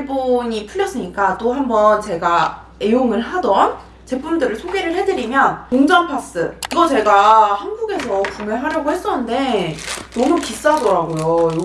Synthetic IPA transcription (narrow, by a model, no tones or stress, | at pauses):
iɭboɲipʰuʎːjʌs͈ɯɲik͈at͈oɦambʌnt͡ɕe̞ɡa | e̞joŋɯɭɦadʌn | t͡ɕe̞pʰumdɯɾɯɭsʰoɡeɾɯɭɦe̞dɯɾimjʌnoŋd͡ʑaŋpʰas͈ɯiɡʌt͡ɕe̞ɡahanɡuɡe̞sʰʌkumjeɦaɾjʌɡohe̞s͈ʌnːɯnde̞nʌmukis͈adʌɾaɡojojo